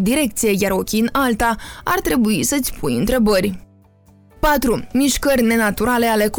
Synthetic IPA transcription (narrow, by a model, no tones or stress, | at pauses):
d̪iɾe̞k̚t̪sije̞jaɾokʲiɨnalt̪aa̰rt̪ɾe̞buisət̪sʲpʰujɨnt̪ɾe̞bərʲ | pat̪ɾumiʃkərʲne̞nat̪uɾale̞ale̞k